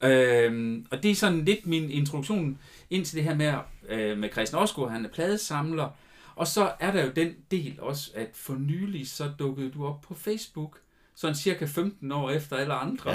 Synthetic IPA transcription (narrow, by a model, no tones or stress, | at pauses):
ømɒ̽d̥e̝sɒ̽nle̝d̥mine̝nt͡sʰʁoduɡ̥ɕo̝̰ːn | e̝n̰t͡sʰe̝ld̥e̝ɦæɐ̰memekʰʁɛsd̥nɒsɡ̥oɦænæɐpʰlɛːð̞ˠəsɑ̈mlɐ | ʔɒ̽sɒ̽æɐɾ̥ɑ̈jo̝d̥en̰d̥e̝̰ːlɒ̽sə̥æd̥fɒ̽nyːlisɒ̽d̥ɔ̽ɡ̥əð̞̩ˠd̥uɒ̽b̥̚pʰɒ̽fesb̥uɡ̥ | sɒ̽n̩siɐkʰæfemd̥n̩ɒ̰ːefd̥ɐæləɑ̈nd̥ʁɐ